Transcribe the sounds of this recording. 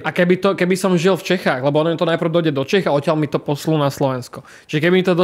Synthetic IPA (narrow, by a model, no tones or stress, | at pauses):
ʔakɛbit̪ɔkɛbisɔmʒilft͡ʃɛxaːɣlɛbɔɔnmt̪ɔnapɾ̩ʊd̪ɔjɟɛd̪ɔt͡ʃɛxaɔtɪalmit̪ɔpɔsluːnaslɔʋɛnskɔ | t͡ʃiʒɛkɛbimit̪ɔd̪ɔ